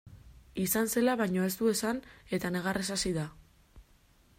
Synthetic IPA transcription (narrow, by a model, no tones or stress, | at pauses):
isanse̞laβajɲo̞e̞st̪ue̞sane̞t̪ane̞ɣ̞aresasiða